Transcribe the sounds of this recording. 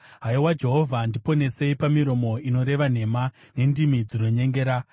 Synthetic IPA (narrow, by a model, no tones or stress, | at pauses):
ɦaiwad͡ʒe̞ɦo̞vʱandipo̞ne̞se̞ipamiɾo̞mo̞ino̞ɾe̞ʋan̤e̞ma | ne̞ndimid͡zino̞ɲe̞ŋɡe̞ːɾa